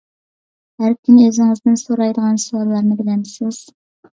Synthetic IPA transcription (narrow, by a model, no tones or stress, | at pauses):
hæɾkʲʰynøzɪŋɪzd̪ɪnsoɾɑjd̪əʁɑnsuɑɾlˠɑɾnəbɪd̪ɛmsoz̥